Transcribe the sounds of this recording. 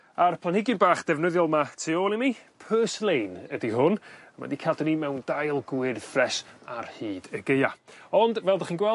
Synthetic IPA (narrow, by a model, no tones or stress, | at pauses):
arpʰlanhɪɡɪnbaːχd̥ɛvnəðjɔlˠmatʰiɔːlˠimipʰəːslˠejnədiɦʊnəma̰dikʰadənimɛwndajlˠɡwɪrfrɛsa̰rhiːd̥əɡejaɔndvɛlˠdaχiːnɡwɛ